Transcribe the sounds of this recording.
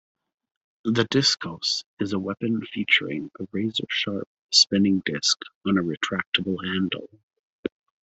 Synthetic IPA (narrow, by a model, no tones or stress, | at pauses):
ðɨdɪskʰoʊsɨzəwɛpɨ̃nfit͡ʃə˞ɪ̰̃ŋəvɹeɪzə̰̥˞ʃɑɹp̚spɪ̃nɪ̃ŋdɪskn̩ɨɹɨtʰɹ̥æk̚təbl̩ˠhæ̃ndˡl̩ˠ